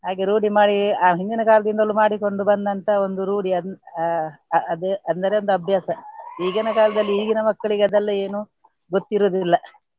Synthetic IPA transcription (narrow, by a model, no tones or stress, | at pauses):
ɦaːɡeɾuːɽimaːɽiaːɦind̪inɐkaːlɐd̪ind̪ɐlːumaːɽiko̞ɳɖubɐnd̪ɐnt̪ɐo̞nd̪uɾuːɽiɐ | ɐd̪ɐnd̪ɐɾeo̞nd̪uɐbʱjaːsɐiːɡɐnɐkaːlɐd̪ɐlːiiːɡinɐmɐkːɐɭiɡeɐd̪ɐlːɐe̞ːnu | ɡot̪ːiɾoːd̪lːɐ